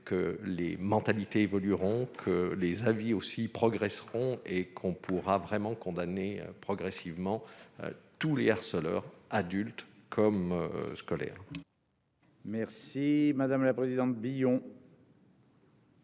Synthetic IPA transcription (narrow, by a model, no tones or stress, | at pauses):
kəlemɑ̃t̪alit̪eːvɔlyʁɔ̃kʰəlezaviosipχɔɡʁɛsʁɔ̃ekʰɔ̃pʰuʁavʁɛmɑ̃kɔ̃d̪anḛpχɔɡʁɛsivmɑ̃ø̰t̪uleaʁsəlœ̰ːʁad̪ylt̪kʰɔmøskɔlɛ̰ːʁ | mɛʁsimad̪amlapχezid̪ɑ̃t̪̚bijɔ̃